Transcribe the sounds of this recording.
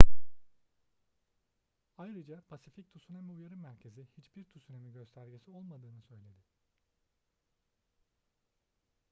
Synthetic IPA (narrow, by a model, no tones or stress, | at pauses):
ajɾɯd͡ʒapʰasific̚t̪ʰusunemiujaɾɯmæɾcʰe̞zihit͡ʃbiɾt̪ʰusunemiɟø̞st̪ʰæɾɟesio̞lˠmad̪ɯːnɯsø̞jlʲe̞d̪ɪ